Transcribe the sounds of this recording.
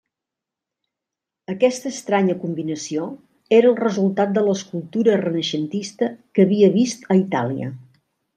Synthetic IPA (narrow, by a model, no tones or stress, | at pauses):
əkɛst̪əːst̪ɾaɲəkumbinəsio | eɾəːlˠrəzulˠt̪at̪̚d̪ələskulˠt̪uɾərənəʃənt̪ist̪əkəβiəβist̪əit̪a̰liə̰